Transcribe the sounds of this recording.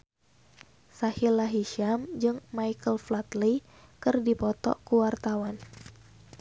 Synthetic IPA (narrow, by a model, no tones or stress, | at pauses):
sahilaɦiʃamd͡ʒɨŋmajkəlflat̪li | kɨrdipɔt̪ɔ̰kuwart̪awan